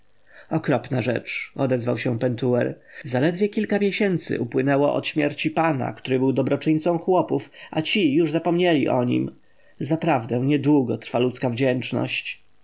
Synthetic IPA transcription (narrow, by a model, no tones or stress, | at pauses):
ɔkɾɔpnaʐɛ̰t͡ʂɔd̪ɛzvawɕɛ̃pɛnt̪uɛɾzalɛd̪vʲjɛkʲilkamʲjɛɕɛnt̪sɘ̰ʔupwɘnɛwɔʔɔ̰t̪ɕmʲjɛɾt͡ɕipana̰kt̪uɾɘbɘwd̪ɔbɾɔt͡ʂɘɲt̪sɔ̃w̃xwɔpufat͡ɕijuʐzapɔmɲɛlʲḭʔɔɲḭm | zapɾavd̪ɛw̃ɲɛd̪wuɡɔt̪ɾfalut̪skavd͡ʑɛnt͡ʂnɔ̰ɕt͡ɕ